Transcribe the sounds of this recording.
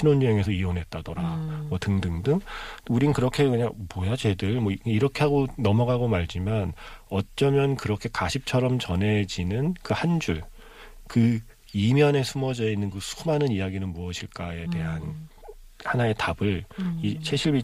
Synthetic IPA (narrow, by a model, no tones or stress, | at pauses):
ɕʰinonːueŋesʰʌiwʌnɦe̞t̚t͈adʌɾamwʌtɯŋdɯŋdɯŋuɾinɯnkɯɾʌkʰe̞kɯɲaŋmojat͡ɕe̞dɯɭmʌiɾʌkʰeɦaɡonʌmʌɡaɡomaɭd͡ʑimanʌt͡ɕ͈ʌmjʌnkɯɾʌkʰe̞kaɕʰip̚t͡ɕʰʌɾʌmt͡ɕʌne̞d͡ʑinɯnkɯhand͡ʑuɭ | kɯ | imjʌne̞sʰumʌd͡ʑʌinːɯnkɯsʰumanɯnijaɡinɯnmuʌɕʰiɭk͈aete̞ɦan | hanae̞tabɯɭit͡ɕʰe̞ɕʰiɭbi